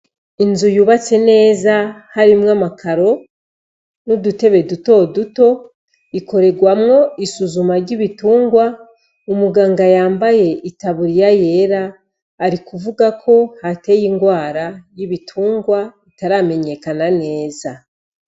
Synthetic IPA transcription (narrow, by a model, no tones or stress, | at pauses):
inzujuβat͡se̞ne̞ːzahaɾimŋamakʰaɾo̞ | nudute̞βe̞duto̞duto̞ | iko̞ɾe̞ɡwamŋo̞isuzumaɾɟiβituːŋɡwa | umuɡaːŋɡajaːmbaje̞itaβuɾijaje̞ɾaː | ɾikuvuɡakʰo̞hate̞jiːŋɡwaːɾajiβitʰuːŋɡwaitaɾame̞ɲe̞kanane̞ːza